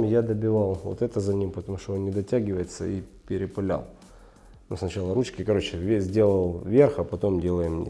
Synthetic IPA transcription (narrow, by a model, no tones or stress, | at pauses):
mʲjad̪əbʲɪvalˠvo̰t̪ɛt̪əzɐnʲimpət̪ɐmuʂt̪oonnʲɪd̪ɐtʲæɡʲɪvəjɪt̪sə̰ipʲɪɾʲɪpɨlʲa̰lˠ | nusnɐt͡ɕalˠəɾut͡ɕkʲɪkɐɾo̞t͡ɕɪvʲzʲdʲe̞lˠəlˠvʲe̞rxɐpɐt̪o̞mdʲe̞lˠəjɪmn̰ʲ